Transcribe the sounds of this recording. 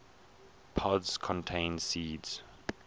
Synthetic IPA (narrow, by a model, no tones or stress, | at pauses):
pʰɔdskʰɔ̃ntʰẽɪ̃nsiːdz̥